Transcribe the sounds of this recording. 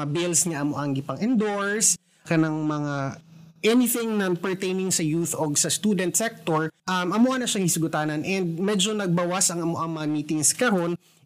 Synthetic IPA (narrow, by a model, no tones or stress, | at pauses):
ɐbɪlsŋɐʔɐmoʔɐŋɡɪpɐŋɛnd̪oɹs | kɐnɐŋmɐŋaʔɛnɪθɪŋnɐpɛɹt̪ejnɪŋsɐjuθoɡsɐst̪ud̪ɛnt̪sɛk̚t̪oɹʔɐmʔɐmoʔɐnɐʃɐŋhɪsʊɡʊt̪aːnɐnʔɛnd̪̚mɛd͡ʒonɐɡ̚bɐwasɐŋɐmoʔɐŋmɐŋɐmiːt̪ɪŋskɐɾo̞n